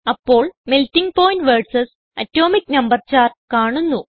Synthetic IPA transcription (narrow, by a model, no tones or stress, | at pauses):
ɐpːo̞ːɭmeltːiŋɡpoːjnʈʋeːɖsɐs | ɐtːoːmiknɐmbɐrt͡ɕaːrkaːɳunːu